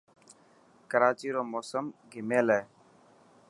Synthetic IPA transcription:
kəɾaːt͡ʃiːɾoːmoːsəmɡʱɪmeːleː

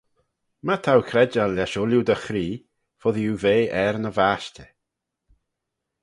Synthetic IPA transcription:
mat̪ʰawkʰɾɛd͡ʒalaʃɔljud̪əxɾiː | foðijuveːʔɛɾnəvaːʃtʲə

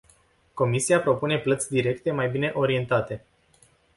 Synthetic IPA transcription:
ko̞misiapɾo̞pune̞plət̪sʲd̪iɾe̞kt̪e̞majbine̞ʔo̞ɾie̞nt̪at̪e̞

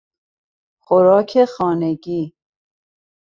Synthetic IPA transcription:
xoɾɒːkʰexɒːneɡiː

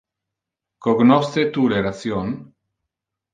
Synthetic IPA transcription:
koɡnost̪et̪uleɾaθjon

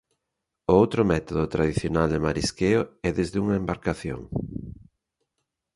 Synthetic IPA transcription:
oowt̪ɾomɛt̪oðot̪ɾaðiθjonald̪emaɾiskeoɛðezðuŋɐembaɾkaθjo̰ŋ

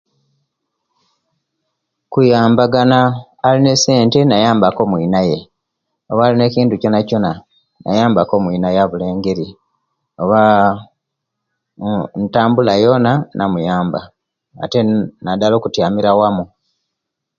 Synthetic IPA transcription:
kujaːmbaɡanaː | line̞se̞ːnte̞najaːmbako̞ːmwiːnaje̞ | o̞βaːline̞ciːntuco̞naco̞na | na̰jaːmbako̞ːmwiːnajaβule̞ːŋɡe̞ɾi | o̞βa | ntaːmbulajo̞nanʔamujaːmba̰ː | te̞nad̪alo̞ːkutjaːmiɾawamu

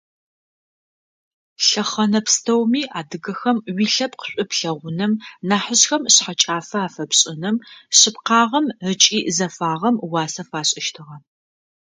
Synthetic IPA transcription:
ɬɐχɐnɐpstʰɐwmiːʔaːdɨɣɐxɐmwiːɬɐp̚qəɕʷʼʊpɬɐʁʷʊnɨmnaːħəɕxɐmɕħat͡ʃʼaːfɐaːfɐpɕʼɪnɨmɕɪpqɑːʁɐmət͡ʃʼiːzɐfaːʁɐmwaːsɐfaːɕʼɪʃtʰɨʁɐ

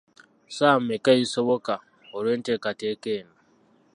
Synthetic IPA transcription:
samekaisoβoka | oɾentekatekeːna

